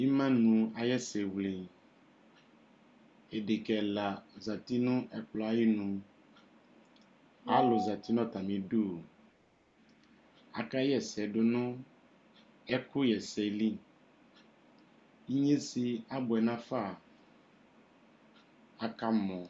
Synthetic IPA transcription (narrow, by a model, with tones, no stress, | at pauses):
i˦mã˦nũ˨a˨jɛ˦sɛ˨wle˨ | e˨ɖe˨kɛ˨la˨za˨t̪i˦nʊ̃˦ʔɛ˨k͡plɔ˨a˨ji˦nũ˨ | a˨˦lʊ˨za˨t̪i˦nɔ̃˦t̪a˨mẽ˨do˦˨ | a̰˨ka˦jɛ˦˨sɛ˨ɖʊ˨nʊ̃˦ | ɛ˦kʊ˦jɛ˨sɛ˨li˦ | i˦ɲe˦si˨a˦bʊ˨ɛ˨nã˦fa˦˨ | a˨ka˦mɔ̃˨